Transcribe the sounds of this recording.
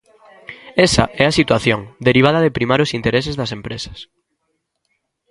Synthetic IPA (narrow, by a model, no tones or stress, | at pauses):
ɛsɐ̰ɛasit̪waθjoŋd̪eɾiβ̞að̞ɐðepɾimaɾʊsint̪eɾesezðɐsempɾesɐ̥s